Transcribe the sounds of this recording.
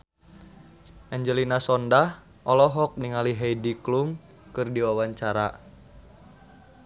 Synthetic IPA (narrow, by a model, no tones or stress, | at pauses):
ʔɛɲd͡ʒɛlinasɔndah | ʔɔlɔɦɔk̚niŋaliɦɛjdiklum | kɨrdiwawaɲt͡ʃaɾa̰